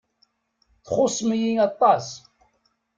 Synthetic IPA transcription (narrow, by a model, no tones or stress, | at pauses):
θχʊsˤmjiɑt̪ˤːɑs